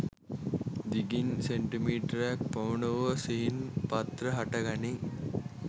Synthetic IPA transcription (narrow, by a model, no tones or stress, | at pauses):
d̪iɡinseɳʈimiːʈɐɾjak̚pɐʋuɳəʋəsiɦinpat̪ɾɐɦaʈɐɡani